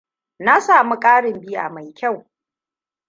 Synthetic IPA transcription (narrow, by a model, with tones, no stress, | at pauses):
na˦saː˨mu˦kʼaː˦ɽɪ˨mbɪ˦ja̰˨ma˨jkʲa˦˨w